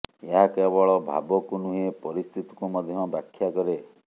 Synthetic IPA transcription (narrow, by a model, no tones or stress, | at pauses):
eɦakebɔɭɔbʱa̰bɔkunuɦepɔɾist̪ʰit̪i̥kumɔd̪ʱjɔbakʰːjakɔɾe